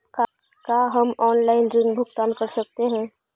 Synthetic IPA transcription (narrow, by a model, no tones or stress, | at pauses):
k | kaɦɐmɔːnlaːɪnɾɪnbʱʊɡt̪aːnkɐɾsɐk̚t̪eɦɛ̃ː